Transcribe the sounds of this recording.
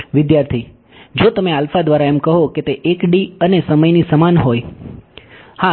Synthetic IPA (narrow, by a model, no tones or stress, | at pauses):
ʋɪd̪jaɾt̪ʰi | d͡ʒot̪əmealfad̪ʋaɾaemkəɦoket̪eʔekɖiənesəməjnisəmanɦoj | ha